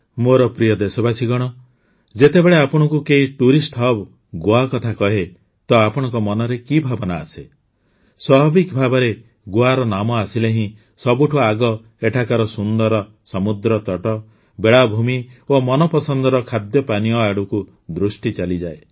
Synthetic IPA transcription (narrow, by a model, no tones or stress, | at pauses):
moɾɔpɾijɔd̪esɔbasiɡɔɽ̃ɔ | d͡ʒet̪ebeɭeapɔɽ̃ɔŋkukeɦiʈuɾisʈʰɔb | ɡoakɔt̪ʰakɔɦe | t̪ɔapɔɽ̃ɔ̃ŋkɔmɔnɔɾekibʱabɔna̰ːse | swɔɦɔbikɔbʱabɔɾe | ɡoaɾɔnamɔasileɦĩ | sɔbuʈʰuaɡɔ | eʈʰakaɾɔsund̪ɔɾɔ | sɔmud̪ɾɔt̪ɔʈɔ | beɭabʱumiomɔnɔpɔsɔnd̪ɔɾɔkʰad̪jɔpaniɔaɽuku | d̪ɾusʈit͡ʃalid͡ʒae